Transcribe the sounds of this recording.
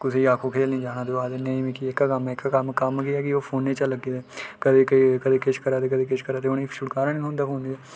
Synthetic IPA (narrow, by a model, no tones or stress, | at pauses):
kʊseːiaːkʰoːkʰeːlnĩːd͡ʒaːɽ̃ãːd̪eaːd̪enẽĩːmẽːkiekːaːkəmɛːkːaːkəmkəmkiɛːkɪoːpʰoːnːeːt͡ʃələɡiːd̪ɛːkəd̪eːkəikəd̪eːkɪʃkəɾaːt̪eːkəd̪eːkeʃkəɾaːt̪̬eːoniːʃʊɽkaːɾaːnĩːoːnd̪aːpʰoːnd̪iːɛ